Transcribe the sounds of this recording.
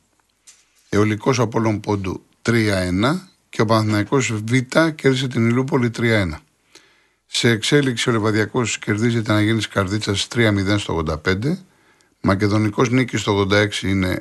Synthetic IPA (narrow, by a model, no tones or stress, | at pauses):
eo̞liko̞s̬ɐpo̞lo̞mpo̞d̪u | t̪ɾiɐenɐ | ce̞o̞pɐnθinɐiko̞zvit̪ɐce̞ɾðis̬et̪inilup̬o̞lit̪ɾiɐe̞nɐ | se̞ːkse̞liksio̞levɐðʝɐko̞sce̞ɾðizet̪eɐnɐʝiniskɐɾðit͡sɐst̪ɾiɐmiðe̞nst̪oɣðod̪ɐpe̞nd̪e̞ | mɐce̞ðo̞niko̞znicist̪oɣðod̪ɐe̞ksiine̞